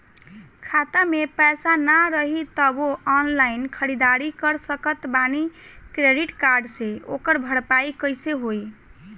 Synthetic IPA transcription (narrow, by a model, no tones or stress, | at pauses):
kʰat̪amepɛjsanaɾəɦit̪əboɔnlainkʰəɾid̪aɾikəɾsəkət̪banikɾeɖiʈkaɾɖseo̰kəɾbʱəɽpajikəjseɦoj